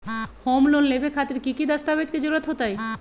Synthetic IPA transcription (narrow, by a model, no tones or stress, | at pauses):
hɔmlonlebekʰat̪eɾkikid̪ast̪abed͡ʑked͡ʑoɾat̪ɦot̪aj